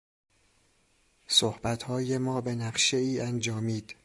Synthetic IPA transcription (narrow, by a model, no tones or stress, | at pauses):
sohb̥æt̪ʰhɒːje̞mɒːbe̞næɢʃe̞iːʔænd͡ʒɒːmiːd̪̥